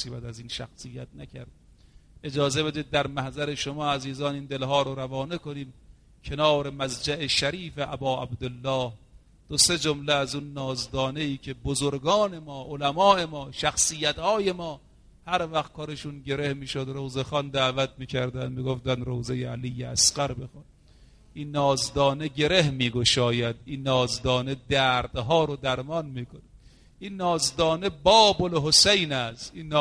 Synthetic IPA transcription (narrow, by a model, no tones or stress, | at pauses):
siːbæd̪æziːnʃæ̰xsijːæt̪̚nækʰæɾd̪̚ | ʔe̞d͡ʒɒːze̞be̞d̪iːd̪̚ːæɾmæhzæɾeʃomɒːæziːzɒːniːnd̪e̞lɦɒːɾoɾævɒːnekoniːm | kʲʰenɒːɾe̞mæzd͡ʒæʔeʃæɾiːfeʔæbɒːæ̰bd̪elːɒːh | d̪̥ose̞d͡ʒomleæzunːɒːzd̪ɒːneiːkʰe̞bozoɾɡɒːne̞mɒːʔolæmɒːʔe̞mɒːʃæxsijːæt̪hɒːje̞mɒː | hæɾvæxt̪̚kʰɒːɾeʃunɟeɾe̞hmiːʃod̪ɾowzexɒnd̪æːvæt̪̚ʰmiːkʰæɾd̪ænd̪miːɡoft̪ænd̪ɾowzejeælijːeæ̰sqæɾbexɑd̪ | ʔinːɒːzd̪ɒːneɡɟʲe̞ɾehmiːɡoʃɒːjæd̪iːnːɒːzd̪ɒːne̞d̪æːɾd̪ɦɒːɾod̪æɾmɒnmiːkʰone | ʔinːɒːzd̪ɒːnebɒːbolɦosejnæsinː